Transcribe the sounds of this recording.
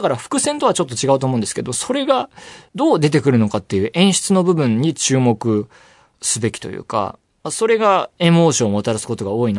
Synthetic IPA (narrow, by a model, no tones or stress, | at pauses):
akaɾaɸɯ̟̥kɯ̟sẽ̞nt̪o̞βat͡ɕo̞t̪ːo̞t͡ɕiɡaɯ̟t̪oːmõnd̪sɨ̥ked̪o̞moso̞ɾe̞ɡad̪o̞ːd̪e̞t̪̬e̞kɯ̟ɾɯ̟no̞kat̪ːe̞jɯ̟ːʔẽ̞ɰ̃ɕi̥t͡sɨno̞bɯ̟bɯ̟̃ɲ̟ːit͡ɕɨːmo̞kɯ̟ | sɨbe̞kʲi̥t̪o̞̰jɯ̰ːka̰ | maso̞ɾe̞ɡae̞mo̞ːɕõːot̪aɾasɨ̥ko̞t̪o̞ɡao̞ːin